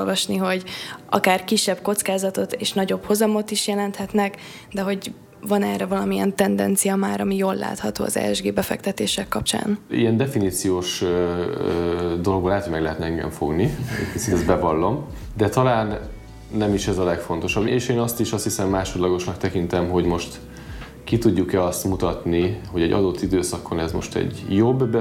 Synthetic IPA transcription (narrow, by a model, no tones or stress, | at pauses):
lvɒʃniɦo̞ɟʔɒ̰kaːrkiʃːɛbko̞t̪skaːzɒt̪o̞t̪eːʃnɒɟo̞bho̞zɒmo̞t̪iʃjɛlɛnt̪hɛt̪nɛk | d̪ɛɦo̞ɟ | vɒnɛːrɛvɒlɒmiɛnt̪ɛnd̪ɛ̰nt̪sijɒmaːɾɒmijoːlːa̰ːt̪hɒt̪oːɒ̰zɛ̰ɛʒɡeːbɛfɛ̰kt̪ɛt̪eːʃɛkːɒp̚t͡ʃa̰ːnḭɛnd̪ɛfiniːt̪sijoːʃ | d̪o̞lo̞ɡboːlaːt̪homɛɡlɛɦɛt̪nɛɛŋɡɛ̰ɱfo̞̰ɡnḭkisit̪ɛzbɛvɒlːo̞m | d̪ɛt̪ɒlaːnː | ɛmiʃɛzɒlɛkfo̞nt̪o̞ʃɒbeːʃeːnɒst̪iʃɒst̪hisɛmːaːʃo̞d̪lɒɡo̞ʃnɒkt̪ɛkint̪ɛmɦo̞ɟmo̞ʃt̪ | kit̪uɟːukɛɒst̪mut̪ɒt̪niho̞ɟɛɟɒ̰d̪o̞t̪ʰːid̪øːsɒkʰo̞nɛzmo̞̰ʃt̪ɛ̰ɟjobːbɛ